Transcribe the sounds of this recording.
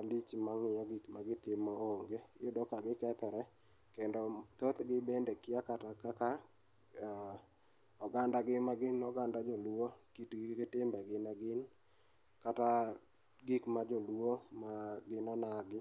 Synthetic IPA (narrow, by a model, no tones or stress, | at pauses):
alit͡ʃmaŋɪaɡikmaɡɪt̪ɪmɔoŋɡejʊdɔkaɡɪkɛt̪ɛɾɛ | kendɔt̪ot̪ɡɪbendɛkɪakatakaka | ɔɡandaɡɪmaɡɪnɔɡandad͡ʒolwokitɡɪkɪtɪmbɛɡɪnaɡɪn | kata | ɡikmad͡ʒolwomaɡɪnɔnaɡɪ